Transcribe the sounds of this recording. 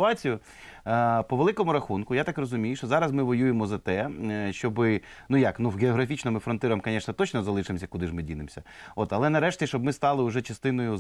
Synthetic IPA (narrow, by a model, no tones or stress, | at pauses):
ʊɑt͡sʲijʊ | pɔʋelˠɪkɔmʊɾɐxunkʊjat̪ɑkrɔzʊmʲijʊʃt͡ʃɔzɑɾɐzmɪʋɔjujemɔzɐt̪ɛʃt͡ʃɔbɪ | nujɐknuwɡeɔɦɾɐfʲit͡ʃnɔmɪfɾɔnt̪ɪɾɐɐmkɐnʲɛʃnɐt̪ɔt͡ʃnɔzɐlˠɪʃɪmsʲɐkud̪ɪʒmɪdʲinɪmsʲɐ | ot̪ɐlˠɛnɐɾɛʃtʲiʃt͡ʃɔb̚mɪst̪ɑlˠɪʊʒɛt͡ʃɐst̪ɪn̪ɔjʊ